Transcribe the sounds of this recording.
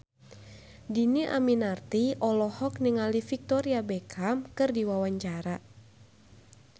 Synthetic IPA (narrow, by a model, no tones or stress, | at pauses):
diniʔa̰minart̪iʔɔlɔhɔk̚niŋalifik̚t̪ɔɾiabɛkʰamkɨrdiwawaɲt͡ʃaɾa